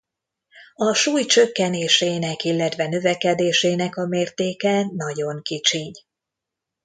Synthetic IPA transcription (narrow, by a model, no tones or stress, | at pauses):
ɒʃuːjt͡ʃø̞kːɛneːʃeːnɛkilːɛt̪vɛnø̞vɛkɛd̪eːʃeːnɛkɒmeːrt̪eːkɛnɒɟo̞ŋkit͡ʃiɲ